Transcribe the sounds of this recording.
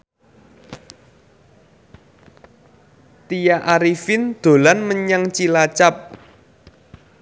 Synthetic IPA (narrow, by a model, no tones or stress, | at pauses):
t̪ijaʔaɾifɪnd̪̥o̤lanməɲaŋt͡ʃilat͡ʃap̚